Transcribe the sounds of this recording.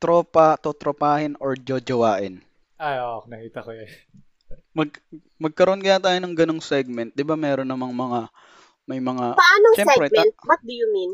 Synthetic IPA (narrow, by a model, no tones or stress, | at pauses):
t̪ɾopat̪oːt̪ɾopaːhɪnoɹd͡ʒod͡ʒɐwaːʔɪn | ʔajonɐkiːt̪ɐkoɐ | mɐɡ̚ | mɐɡ̚kɐɾoʔonkɐj̪aːt̪aːjonɐŋɡɐnoŋsɛɡ̚mɛnt̪̚d̪ɪbamɛːɾo̞nːɐmɐŋmɐŋa | mɐjmɐŋapɐʔaːnoŋʃɛmsɛɾɛtmnt̪bɐt̪̚d̪ʊjʊmin